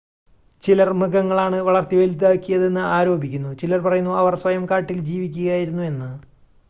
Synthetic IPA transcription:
t͡ɕilɐrmɨɡɐŋːɐɭaːɳɨʋɐɭɐrt̪ːiʋelit̪̬ːaːkːijɐðe̞nːɨaːɾo̞ːbʱikʲːunːut͡ɕilɐrpɐrɐjunːuɐʋɐrswɐjɐmkaːʈːild͡ʑiːʋikʲːuɣɐaːjiɾunːue̞nːɨ

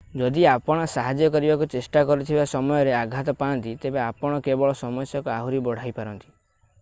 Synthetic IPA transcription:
d͡ʒɔd̪iapɔɽ̃ɔsaɦad͡ʒjɔkɔɾibakut͡ʃesʈakɔɾut̪ʰibasɔmɔjɔɾeaɡʱat̪ɔpaːnt̪it̪ebeapɔɽ̃ɔkebɔɭɔsɔmɔsjɔkuaɦuɾibɔɽ̤ajpaɾɔnt̪i̥

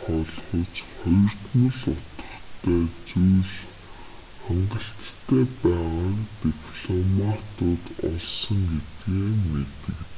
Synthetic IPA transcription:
χɔːɮχɞ̆t͡sχɔj̆r̥t̪mɵ̆ɮʊt̪ə̆χt̪ʰæːt͡sujɮ | χæɴɢə̆ɬt̪ːʰæːpæːʁaːkt̪ixɮɔmat̪ʊːt̪ɔɮsə̆ŋɡet̪ɡeːnet̪ɘ̆k

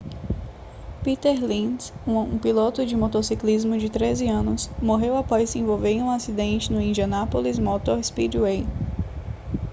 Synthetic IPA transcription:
pit̪eɾlĩsũṵ̃pilot̪ʊd͡ʒɪmɔt̪osiklizmʊd͡ʒɪt̪ɾezɪɐ̃nʊsmoɦewapɔjsɪẽvowveɾẽũasid̪ẽnt͡ʃɪnʊĩnd͡ʒiɐnapolizmɔt̪oɾspid͡ʒwej

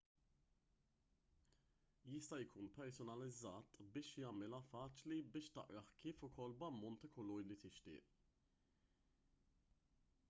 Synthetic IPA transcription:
jɪst̪ɐjkʰuːnpɛɾsɔnɐlɪd͡zːɐːt̪bɪːʃjɐːmɪlɐfɐːt͡ʃlibɪːʃt̪ɐʔɾɐħkiːfʊkʰɔlbɐmːɔnt̪ɐkɔlɔjlit̪ɪʃt̪ɪ̰ːʔ

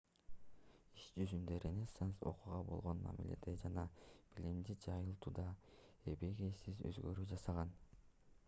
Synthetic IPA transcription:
iʃd͡ʒyzynd̪øɾʔenʲesenso̞̰quʁɑbo̞̰lˠʁo̞nmɑ̰mḭle̞̰d̪ed͡ʒɑnɑb̥ilʲimd̪id͡ʒɑjɯlˠt̪uːd̪ɑ | e̞be̞ɡejsizø̞̰zɡø̞ɾyːd͡ʒɑsɑʁɑn

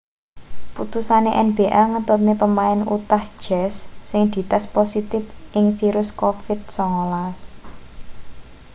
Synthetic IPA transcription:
put̪usaneʔɛnb̥eʔaŋət̪ʊt̪̚nepəmaɪnṵt̪ahd̥ʒ̥ɛsːɪŋd̪̥i̤t̪asposit̪ɪfʔɪŋfiɾʊskofɪt̪̚sɔŋolas

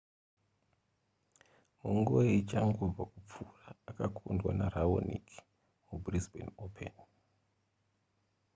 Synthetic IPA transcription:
muŋɡueit͡ʃaŋɡub͡vakup͡furaːkakʰundwa̰naɾawo̰nḭk | mubrizbḛnopʰḛn

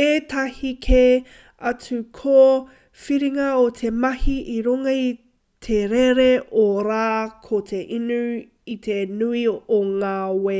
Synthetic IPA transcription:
etʰɐhikʰe | ɐt͡sukʰo | fiɾiŋɐotʰemɐhiʔiɾuŋɐi | tʰeɾeɾeʔoɾaːkʰotʰeʔinu | itʰenuioŋaːwe

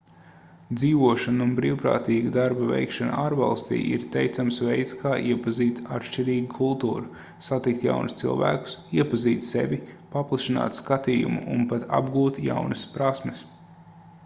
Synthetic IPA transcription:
d̪ziːʋuɔʃanunbɾiːwpɾa̰ːt̪iːɡad̪aɾbavʲɛ̰jkʃan̰aːɾva̰lˠst̪ḭːʔḭɾt̪ɛjt̪samsvɛjt̪skʰaːʔiɛpaziːt̪at̪ʃt͡ʃiɾiːɡikʰulˠt̪ṵːɾu | sat̪ik̚t̪ja̰wnst̪sḭlˠvæ̰ːku̥siɛpaziːt̪sɛ̰ʋʲipaplˠaʃina̰ːt̪skat̪iːjṵmṵʔṵnpat̪ʰa̰bɡuːt̪ja̰wnɐspɾasmɛs

